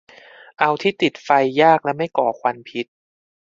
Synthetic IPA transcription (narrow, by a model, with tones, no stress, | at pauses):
ʔa˧wt̪ʰiː˥˩t̪i˨˩t̪̚fa˧jːaː˥˩k̚lɛ˦˥wma˥˩jkɔː˨˩kʰwa˧npʰi˦˥t̪̚